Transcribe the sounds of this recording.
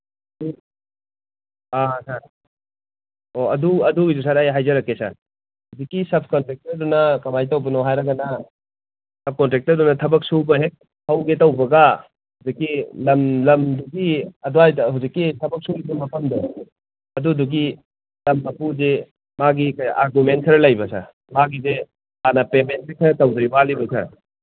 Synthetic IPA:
ɐdu | asaɾ | oɐduɐduidus̬aɾajɦajzɐɾɐkːesa̰ɾ | hawzikːisɐb̚kɔntɾek̚tɐɾdunɐkɐmajtɐwbɐnɔɦajɾɐɡɐnɐ | sɐb̚kɔntɾek̚tɐɾdunɐtʰɐbɐk̚subɐɦe | hɐwɡetɐwbɐɡa | huwzikːilɐmlɐmduɡiɐduajɦawzikːitʰɐbɐk̚suɡidumɐpɐndɔ | ɐduduɡi | lɐmnɐpuze | maɡikɐja̰ɾɡument̚sʰɐɾɐlajbɐsa̰ | maɡize | anɐpement̚bikʰɐtɐwdɐjbalibɐsa̰

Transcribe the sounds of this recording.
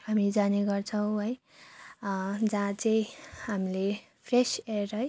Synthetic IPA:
hamid͡zaneɡʌrt͡sʰʌw̃ɦʌj | d͡zãt͡saĩɦamile | pʰreserɦʌj

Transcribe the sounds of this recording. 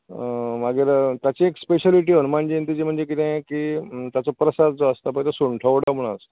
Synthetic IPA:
maɡeɾt̪jat͡ɕiekspeɕaliʈ̬ionmaɳd͡ʑent̪ud͡ʑem̤əɳd͡zek̬it̪ɛ̃jkiːt̪jat͡sɔpɾəsad̪d͡zoəst̪apət̪asuɳʈʰəʋɽam̤uɽ̃aəs

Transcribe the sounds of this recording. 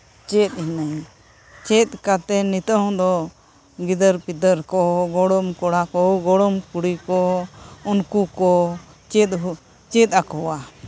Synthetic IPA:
t͡ʃɛt̪̚hinəj | t͡ʃɛt̪̚ˀkat̪ɛnit̪ə̃d̪ɔ | ɡid̪əɾpid̪əɾkɔɡɔɽɔmkɔɽakɔɡɔɽɔmkuɽikɔunkukɔ | t͡ʃɛt̪̚ɦ | t͡ʃɛt̪̚akɔwa

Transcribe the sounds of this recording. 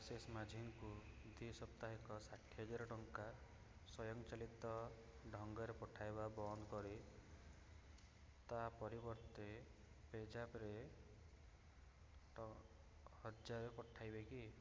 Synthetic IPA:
sesmad͡ʒʱiŋkud̪ʱisɔp̚t̪aɦikɔsaʈʰiɦɔd͡ʒaɾɔʈɔŋka | sɔjɔŋt͡ʃalit̪ɔ | ɖʱɔŋɡɔɾepɔʈʰajbabɔnd̪kɔɾi | t̪apɔɾibɔɾt̪e | ped͡ʒapɾe | hɔd͡ʒaɾepɔʈʰajbeki

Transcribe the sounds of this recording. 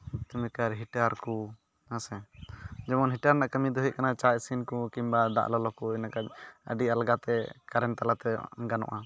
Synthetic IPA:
t̪umɛkaɾɦiʈaɾku | nasɛd͡ʒɛmɔnɦiʈaɾnaʔkəmid̪ɔɦiʔ̚kanat͡ʃasinkukimbad̪a̰ʔlɔlɔkuɛnakaɲə̰ɖialɡat̪ɛkaɾɛnt̪alat̪ɛɡanɔ̰ʔa

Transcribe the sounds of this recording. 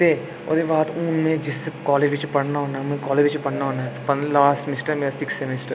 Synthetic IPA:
t̪e | o̰ːd̪iʋaːt̪uːnmẽd͡ʒɪsːekɔːleːd͡ʒʋɪt͡ʃpɐɽnaɦoːnaɦɛmʊɦẽkɔːleːd͡ʒʋɪt͡ʃpɐɽnaɦoːnaɦɛt̪opɐnlaːsʈmɪsʈəɾɦɛmeːɾasɪksemesʈəɾ

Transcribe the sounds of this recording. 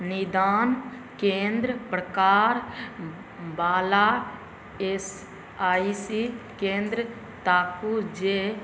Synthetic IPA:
nɪd̪aːn | kẽːnd̪ɾəpɾəkaːɾ | baːlaː | es | aːisikẽːnd̪ɾə | t̪aːkud͡ʒeː

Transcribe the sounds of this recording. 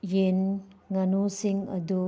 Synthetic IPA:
jenŋanusiŋɐd̪u

